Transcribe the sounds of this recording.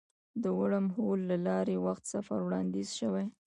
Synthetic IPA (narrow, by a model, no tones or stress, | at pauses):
d̪əwaɽəmholːalɑɾewaxt̪safa̰ɾwɽɑnd̪izʃəwaj